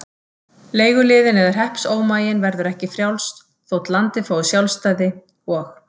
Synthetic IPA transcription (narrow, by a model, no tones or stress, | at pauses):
leːjɣʏlɪːðɪnɛðaɾ̥ɦɛhpsoːwmaːjɪnvɛɾðʏɾɛhcɪfɾjawlst̪ | θowt̪lant̪ɪfoːwʏsjawlst̪aːjðɪ | ɔx